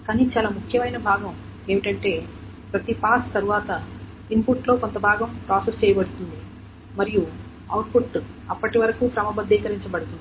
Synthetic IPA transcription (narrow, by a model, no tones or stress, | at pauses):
kaːnit͡ʃaːlaːmukʰjɐmɐjnɐbʱaːɡɐm | e̞ːʋiʈɐɳʈe̞ː | pɾɐt̪ipaːst̪ɐɾuʋaːt̪ɐ | inpuʈlo̞ːkont̪ɐbʱaːɡɐmpɾaːseɾst͡ʃɛːjɐbɐɽut̪und̪i | mɐɾiju | ɐwʈ̚pʰuʈ | ɐpːɐʈiʋɐɾɐkuːkɾɐmɐbɐd̪ːiɛːkɐɾiɲt͡ʃɐbɐɽut̪und̪i